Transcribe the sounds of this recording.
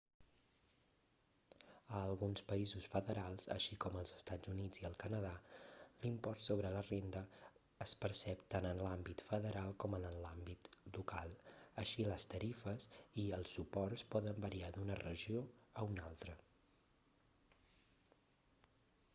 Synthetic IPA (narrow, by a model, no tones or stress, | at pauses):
əːlˠɣunspəizusfəðəɾalˠzə̰ʃikɔməlˠzəst̪ad͡zunid͡ziəlˠkənəðalimpɔst̪soβɾələrend̪ə | əspəɾsɛpt̪anənlambit̪fəðəɾalˠkɔmənənlambit̪lukalˠəʃiləst̪əɾifəziəlˠsupɔrspɔðəmbəɾiad̪unərəʒioəunalˠt̪ɾə